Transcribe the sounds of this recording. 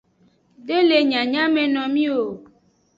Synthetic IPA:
ɖe˦le˨ɲã˨ɲã˦mẽ˨nɔ̃˨mĩ˦wo˨

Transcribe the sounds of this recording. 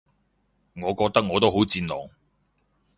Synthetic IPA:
ŋɔː˨˧kɔː˧k̚t̪ɐ˥k̚ŋɔː˨˧t̪o˥wɦo˨˥wt͡siː˧nlɔ̰ː˨ŋ

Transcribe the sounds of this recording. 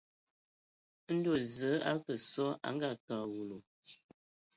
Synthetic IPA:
n̩˦do˦˨zə˨˦a̰˦kə˨sɔ˦a̰˨˦ŋ˦ɡa˦˨ka˨ɣu˨lo˨

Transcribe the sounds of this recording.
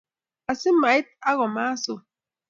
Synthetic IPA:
a˨si˦ma˨i˦t̪̚a˦ɣo˨ma˦su˨

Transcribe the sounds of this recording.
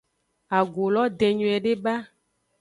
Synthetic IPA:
a˨ɡo˨lɔ˦d̪ẽ˨ɲũ˨ɛ˨ɖe˦ba˦

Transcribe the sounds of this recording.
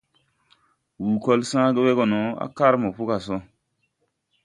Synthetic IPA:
wu˨ko˦lsãː˦ɡə˦we˦ɡɔ˨no˨˦a̰˦ka˦ɾmo˨pu˦ka˨so˦

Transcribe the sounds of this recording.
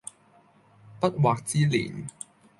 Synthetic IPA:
pa˦˥t̪̚waː˨˩k̚t͡siː˧lḭː˨˩˦n

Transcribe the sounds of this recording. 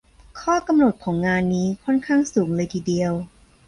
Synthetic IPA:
kʰɔː˥˩ka˧mno˨˩t̪̚kʰɔː˩˦ŋːaː˧nːiː˦˥kʰɔ˥˩nkʰaː˥˩ŋsuː˩˦ŋlɤː˧jt̪ʰiː˨˩di˧əw

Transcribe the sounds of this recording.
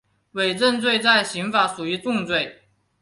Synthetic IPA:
we˨˩ɪʈ͡ʂə˥˧nt͡swe˥˧ɪt͡sa˥˩ɪɕi˧˥ŋfa˧˥ʂu˨˩y˧˥t̪ʊ˥˧ŋt͡swe˥˩ɪ

